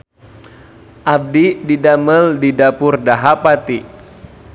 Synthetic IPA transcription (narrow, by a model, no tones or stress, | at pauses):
ʔab̚dididaməldidapʊrdaɦapat̪i